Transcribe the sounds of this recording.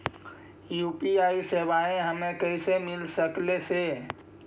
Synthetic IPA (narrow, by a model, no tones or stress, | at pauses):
juːpiaːisebaẽɦəmẽkəɪsemɪlsəklese